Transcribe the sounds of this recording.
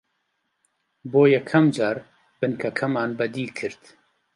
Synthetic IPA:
boːjɛkʰːɐmd͡ʒɑːɾ | b̥ɨnkʰɐkʰɐmɑːnbɐd̪iːkʰɨɾt̪

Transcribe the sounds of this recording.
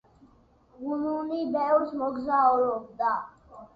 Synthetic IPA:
ununibɛvɾsmɔɡzaɔɾɔbd̪a

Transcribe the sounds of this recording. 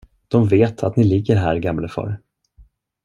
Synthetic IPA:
d̪̥ɔmveːt̪ʰat̪nɪlɪɡːəɾɦæːɾɡamləfœ̰ːɾ

